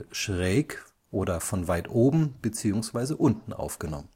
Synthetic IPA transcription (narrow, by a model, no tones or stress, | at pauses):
ʃʁɛːk | ʔoːdɐfɔnvaɪtʔoːbm̩b̥ət͡siːʊŋsv̥aɪzəʔʊntn̩ʔa̰ʊfɡ̥ənɔ̰mən